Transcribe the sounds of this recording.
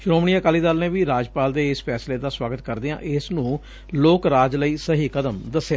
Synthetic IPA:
ʃʊnoːmɳijãːkaːliːd̪aːlnẽːʋiːɾaːd͡ʒpaːld̪eːɪspʰɛːsleːd̪aːswaːɡət̪kəɾd̪eã̰ːʔɪsnũː | loːkɾaːd͡ʒləiːsəɦiːkəd̪əmd̪əsːeaː

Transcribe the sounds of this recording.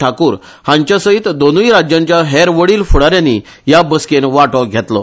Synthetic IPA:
ʈʰakuːɾ | hãɲt͡ɕjasəit̪d̪onuiɾad͡ʑjãɲt͡ɕjaɦɛɾʋəɽiːlfuɽaɾjani | jabəskenʋaʈɔɡʱɛt̪lɔ̰

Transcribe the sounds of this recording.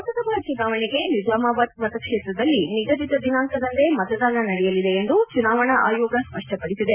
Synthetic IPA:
ɐt̪ɐt̪ɐbaːt͡ʃunaːʋɐɳiɡe̞nid͡ʒaːmaːbɐt̪̚mɐt̪ɐkʂeːt̪ɾɐd̪ɐlːiniɡɐd͡ʒit̪ɐd̪inaːŋkɐd̪ɐnt̪e̞mɐt̪ɐd̪aːnɐnɐɽɛjɐlid̪e̞ːnd̪ut͡ʃunaːʋɐɳɐʔaːjɔːɡɐspɐʂʈʰɐpɐɽisid̪e

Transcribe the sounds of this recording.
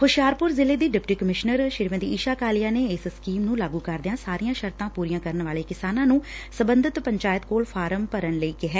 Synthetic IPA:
hʊʃjaːɾpʊɾzɪleːd̪iːɖɪpʈiːkəmɪʃnəɾʃɪɾʋẽd̪iːiːʃaːkaːlijaːneːɪsskiːmnũːlaːɡuːkəɾd̪ɪjãːsaːɾijãːʃəɾt̪ãːpuːɾijãːkəɾəɳʋaːleːkɪsaːnãːnũːsəbənd̪ʱɪt̪pəɲt͡ʃaːjət̪̚koːlfʰaːɾəmpəɾənləiːkɪɦɛː

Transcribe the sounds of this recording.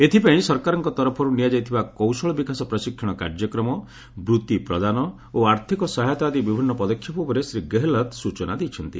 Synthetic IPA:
et̪ʰipaĩsɔɾkaɾɔŋkɔt̪ɔɾɔpʰɔɾunijad͡ʒajt̪ʰibakɔwsɔɭɔbikasɔpɾɔsikʰjɔɽ̃ɔka̰ɾd͡ʒjɔkɾɔmɔ | bɾut̪ipɾɔd̪anɔ | oaɾt̪ʰikɔsaɦajt̪ad̪ibibʱinːɔpɔd̪ɔkʰːjɔpubɔɾesɾiɡeɦelɔt̪sut͡ʃɔna̰d̪ejt͡ʃʰɔnt̪ḭ

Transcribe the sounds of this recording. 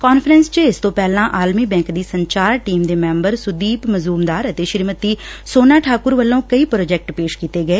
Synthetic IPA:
kɔːnfʰɾɛ̃nst͡ʃəɪst̪õːpɛːlãːʔaːlmiːbɛ̃ːŋkd̪iːsəɲt͡ʃaːɾʈiːmd̪eːmɛ̃ːmbəɾsʊd̪iːpməzluːmd̪aːɾət̪eːʃɪɾmət̪iːsoːnaːʈʰaːkʊɾʋəlːõːkəiːpɾoːd͡ʒɛːk̚ʈpeːʃkiːt̪eːɡəeː

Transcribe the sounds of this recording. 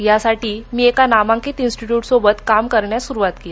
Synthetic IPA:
jasaʈiːmiːekanamãŋkiːt̪insʈiʈjuːʈsobət̪kamkəɾɳjasuɾuʋat̪kija

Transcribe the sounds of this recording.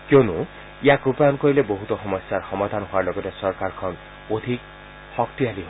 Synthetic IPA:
kjonu | ijakɾupajɔnkɔileboɦut̪ɔxɔmɔsjaɹxɔmad̪ʱanɦuaɹlɔɡɔtesɔɹkaɹkʰɔn | od̪ʱik | xɔkt̪ialiɦo

